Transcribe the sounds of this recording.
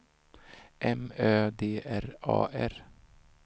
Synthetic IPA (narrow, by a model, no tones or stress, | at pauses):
ʔɛmøːd̪eːʔæɾɑ̰ːʔæɾ